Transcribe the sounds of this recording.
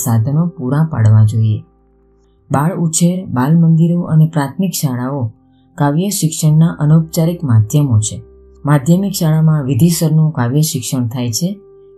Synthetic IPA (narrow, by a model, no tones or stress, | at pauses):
sad̪ʱənopuɾãpa̰ɽʋãd͡ʒoie | baɭut͡ʃʰeɾbalmənd̪iɾoʔənepɾat̪ʰmikʃaɭao | kaʋjəʃɪkʃəɳnaʔənop̚t͡ʃaɾikmad̪ʱjəmot͡ʃʰe | mad̪ʱjəmikʃaɭamãʋid̪ʱisəɾnũkaʋjəʃɪkʃəɳt̪ʰajt͡ʃʰe